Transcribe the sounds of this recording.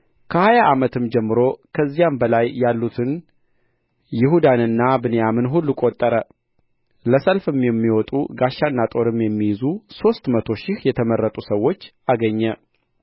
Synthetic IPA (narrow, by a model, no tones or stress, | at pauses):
kʰəhajaʔamət̪ʰɨmd͡ʒɛmːɨɾo̞kʰəzːijambəlajːalːut̪ʰɨn | jɪhud̪anɨnːabɨnjamɨnɦulːukʼot̪ʼːəɾə | ləsəlfɨmjɛmːiwɔt̪ʼuɡaʃːanːat̪ʼo̞ɾɨmjɛmːijɪzuso̞st̪mət̪ʰo̞ʃɪhjɛt̪ʰəmərːət̪ʼusəwːo̞t͡ʃːʔaɡəɲːə